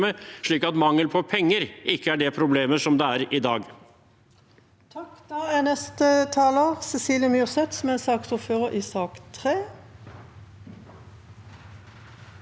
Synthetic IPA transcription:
məʂɭiːkɑt̪mɑŋːəlpʰɔpʰɛŋːəɾɪkːəæɖɛpʰɾʊbleːməʂɔmd̪ɛæɾɪd̪ɑːɡ | t̪ʰɑkd̪̥ɑːæːnɛst̪ət̪ʰɑːləʁsɛsiːljəmjʉːʁsɛt̪smeːsɑːksʊføːʁəʔiːsɑːkt̪ʰʁeː

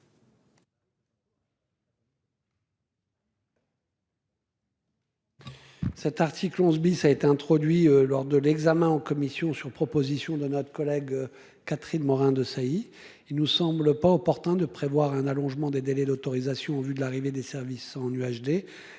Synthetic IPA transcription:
sɛt̪aʁt̪ʰiklɔ̃zbisaet̪eɛ̃t̪χɔd̪ɥilɔʁd̪əlɛɡzamɛ̃ɑ̃kɔmisjɔ̃syʁpχɔpozisjɔ̃d̪ənɔt̪χə̥kɔlɛɡ | kat̪χinmɔʁɛ̃d̪əsai | ilnusɑ̃bləpaɔpɔʁt̪ɛ̃d̪əpχevwaʁɛ̃nalɔ̃ʒmɑ̃d̪ed̪elɛd̪ot̪ɔʁizasjɔ̃ɑ̃vyd̪əlaʁived̪esɛʁvisɑ̃nyaʃd̪e

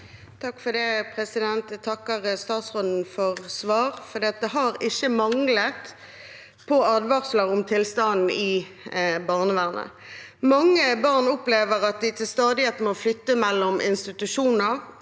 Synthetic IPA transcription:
t̪ʰɑkːfɔd̪ɛpʰʁɛsɪd̪ɛnt̪t̪ʰɑkːəʁst̪ɑːt̪sʁɔd̪n̩fɔʁsʋɑːʁfɔʁd̪iːɑt̪̚d̪ɛɦɑʁɪçəmɑŋlət̪ | pʰɔɑd̪ʋɑʁsləʁɔmt̪ʰɪlst̪ɑnn̩ɪ | bɑʁnəʋæːʁnə̰ | mɑŋːəbɑʁnɔpleːʋəʁɑt̪̚d̪ɪt̪ʰɪlst̪ɑːd̪ɪət̪mɔflʏt̪ːəmɛlːɔmʔɪnst̪ɪt̪ʉʃuːnəʁ

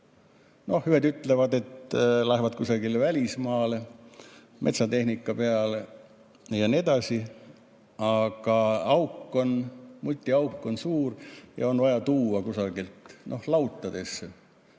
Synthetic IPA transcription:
no̞hhyhed̪yt̪ːˑle̞vɑd̪e̞t̪læhvɑt̪̚kusɑɡ̥ilvælʲismɑːle | me̞̰t̪sɑt̪e̞hnikːˑɑpe̞ɑle | jɑnied̪̥ɑsi | ɑɡ̥ɑɑwkːˑo̞nmulʲt̪ʲːˑiɑwkːˑo̞nsuːrjɑ̰o̞nvɑjɑt̪uːɑkusɑɡ̥ilt̪nʔo̞hlɑwt̪ˑːɑd̪̥e̞sːe

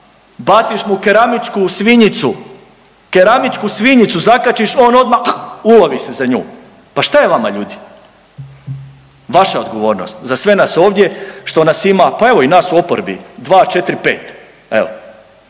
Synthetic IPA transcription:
bat̪siʃmukeɾamit͡ʃkusʋiɲit̪su | keɾamit͡ʃkusʋiɲit̪suzakat͡ʃiʃo̞ːno̞d̪mauloʋise̞zaɲṵː | paʃt̪ajeʋama̰ʎuːd̪i | ʋaʃao̞d̪ɡo̞ʋo̞ːɾno̞̰st̪zasʋe̞naso̞ːʋd̪je̞ʃt̪o̞nasimapae̞ʋo̞inaːsuo̞poɾbḭd̪ʋaːt͡ʃe̞t̪ɾipe̞ːt̪ | e̞̰ʋo

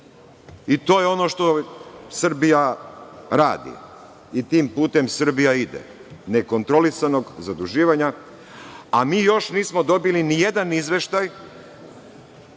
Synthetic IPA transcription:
it̪o̞ːjeo̞no̞ʃt̪o̞sr̩bija | ɾa̰ːd̪ḭ | it̪iːmpuːt̪e̞msr̩bijaid̪ḛ | ne̞ko̞nt̪ɾo̞lisano̞ɡzad̪uʒiːʋaɲa | amiːjo̞ʃniːsmo̞d̪o̞bilinije̞d̪anizʋe̞ʃt̪aj

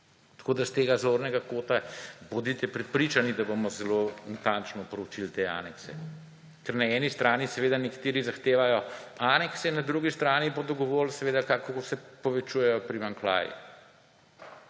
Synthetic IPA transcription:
t̪ḁkoːd̪ast̪eɡazoːɾnɛɡakoːt̪abod̪it̪ɛpɾɛt̪̚pɾit͡ʃanid̪abomɔzɛlonat̪ant͡ʃnɔpɾut͡ʃilt̪ea̰ːnɛksɛ̰ | kɛɾnaɛːnist̪ɾaːnisɛʋed̪anɛkḁt̪eːɾizaxt̪eːʋajɔanɛksɛnɐd̪ɾuɡist̪ɾaːnibod̪ɔɡɔʋoːlsɛʋeːd̪akakɔkosɛpɔʋɛt͡ʃujɛjɔpɾimaŋkla̰ːjḭ

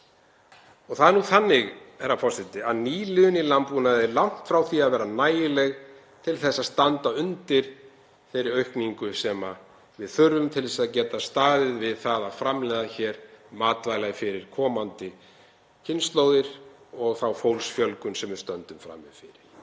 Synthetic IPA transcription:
ɔɣθaðɛɾnuθanːɪɣɛɾːafʰɔrsɪt̪ɪaðniːlɪðʏnilampunaðɪɾlawŋ̥t̪fɾawθiaðvɛːɾanaːjɪlɛɣ | t̪ʰɪlθɛsːaðst̪ant̪aʏnt̪ɪɾ̥ | θejɾɪɾœɥhkniŋkʏsɛma | vɪðθʏɾðʏmt̪ʰɪlθɛ̥saðcɛːt̪ast̪aːðɪðvɪðθaðaðfɾamlɛːðaçɛːɾ̥maːt̪vaːjlaɣfɪɾɪɾ̥kʰɔːmant̪ɪ | cʰɪnst̪loːwðɪɾ | ɔɣθawfowlsfjœlkʏnsɛmvɪɾst̪œnt̪ʏmfɾa̰mːɪfɪɾɪɾ̥

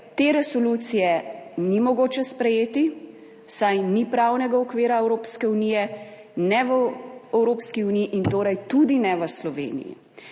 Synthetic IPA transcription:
t̪eːɾɛsɔluːt̪sijɛnimɔɡoːt͡ʃɛspɾɛjeːt̪i | sajnipɾawnɛɡaɔkʋeːɾaɛwɾoːpskɛunijɛ | nɛʋəɛwɾoːpskiunijiʔint̪oːɾajt̪ud̪inɛʋəslɔʋḛːnḭjḭ

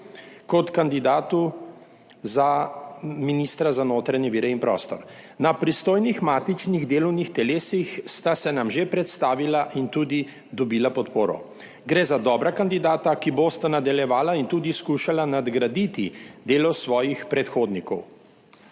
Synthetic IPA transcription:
kɔt̪kand̪id̪aːt̪u | za | miniːst̪ɾazanoːt̪ɾaɲɛʋiːɾɛinpɾɔ̰ːst̪ɔɾnapɾist̪oːjnixmaːt̪it͡ʃniɣd̪eːlɔwnixt̪ɛleːsixst̪asɛnamʒepɾɛt̪st̪aːʋilaʔint̪uːd̪i | d̪ɔbiːlapɔt̪poːɾɔ̰ | ɡɾeːzad̪ɔːbɾakand̪id̪aːt̪akibost̪anad̪aljɛʋaːlaint̪uːd̪iskuːʃalanad̪ɡɾad̪it̪id̪eːlɔsʋɔːjixpɾɛt̪xoːd̪nikɔw

